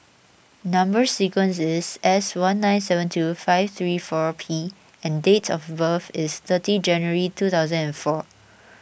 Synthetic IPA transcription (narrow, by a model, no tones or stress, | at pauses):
nãmbəsikə̃nsɪsɛswãnːãɪ̃nsɛvə̃ntʰufaɪvt̪ɹiːfɔɹpʰi | ɛ̃ndetʰɔfbəfɪst̪ətid͡ʒɛ̃njəɹitut̪aʊzə̃nɛ̃nfɔ